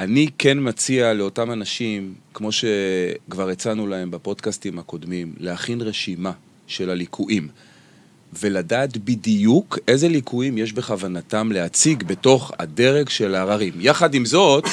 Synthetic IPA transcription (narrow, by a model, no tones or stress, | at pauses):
ʔanike̞nmat͡sialeo̞tamanaʃimkmo̞ʃe̞kvaʁet͡sanulae̞mbapo̞dkastimhako̞dmimleaχinʁe̞ʃima | ʃe̞lalikʰuʔim | ve̞ladaːtbidijukʔe̞zelikʰuimje̞ʃbe̞χavanatamle̞at͡siɡbe̞to̞χa̰de̞ʁe̞ɡʃe̞laːʁaʁimjaχadimzo̞t